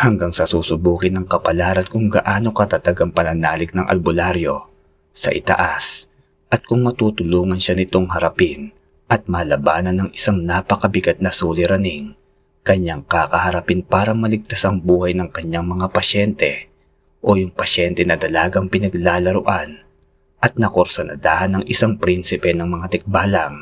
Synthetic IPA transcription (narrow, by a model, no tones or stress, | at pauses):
hɐŋɡaŋsɐsuːsʊbuːkɪnːɐŋkɐpɐlaːɾɐnkʊŋɡɐ̰ʔaːno̞kɐt̪ɐt̪ɐɡɐŋpɐnɐnaːlɪk̚nɐŋʔɐ̰lbʊlaɾjo̞ | sɐ̰ʔɪ̰t̪ɐ̰ʔas | ʔɐt̪̚kʊŋmɐt̪ut̪ʊluːŋɐnʃanɪt̪o̞ŋɦɐɾɐpɪn | ʔɐt̪̚mɐːlɐbaːnɐnːɐŋʔɪsaŋnaːpɐkɐbɪɡat̪̚nɐsuːlɪɾɐnɪŋ | kɐɲːaŋkakɐhɐɾɐpinpaːɾɐmɐlɪɡ̚t̪asɐŋbuːhɐjnɐŋkɐɲːaŋmɐŋapɐʃɛnt̪ɛ | ʔo̞jʊŋpɐʃɛnt̪ɛnɐd̪ɐlaːɡɐŋpɪnɐɡlaːlɐɾʊʔan | ʔɐt̪̚nɐkoɾsɐnɐ̰d̪aːhɐnɐŋʔɪsaŋpɾinsɪpɛnɐŋmɐŋat̪ɪk̚baːlɐŋ